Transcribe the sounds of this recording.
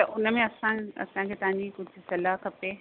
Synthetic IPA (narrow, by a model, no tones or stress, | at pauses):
t̪ɐʔʊnəmẽɐsãɐ̰sãkʰeːt̪ɐʋ̤ɦãɲd͡ʑikʊd͡ʑʱʊ̆sɐlaɦkʰɐpe